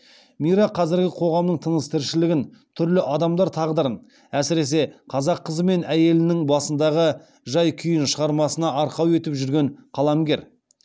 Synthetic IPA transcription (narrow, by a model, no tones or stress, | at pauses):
mijɾɑqʰɑzɪɾɡʲɪqʰo̞ʁɑmnəɴt̪ʰənəst̪ʰɪɾʃɪlɪɡʲɪnt̪ʰʏɾlɪʔɑd̪ɑmd̪ɑɾt̪ʰɑʁd̪əɾən | æsɪɾe̞s̬e̞qʰɑzɑqʰːəzəme̞næje̞lɪnɪŋbɑsənd̪ɑʁə | ʒɑjkʲʰʏjɪnʃəʁɑɾmɑsənɑɑɾqɑwe̞t̪ɪpʒʏɾɡʲe̞ɴqʰɑlˠɑmɡʲe̞ɾ